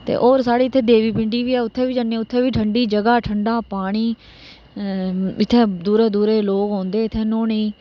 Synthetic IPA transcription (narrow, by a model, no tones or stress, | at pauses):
t̪ḛːʔoːɾsaːɽiːt̪ʰːeːd̪eːʋiːpɪɳɖiːʋiːɛːʊt̪ʰːeːʋiːd͡ʒanːeːʊt̪ʰːeːʋiːʈʰəɳɖiːd͡ʒəɡaːʈʰəɳɖaːpaːɽ̃iː | ɪt̪ʰːeːd̪uːɾeːd̪uːɾeːloːkɦõːnd̪eːɪt̪ʰːeːnoːniː